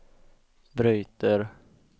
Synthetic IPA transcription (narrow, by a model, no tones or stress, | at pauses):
bɾyːt̪əɾ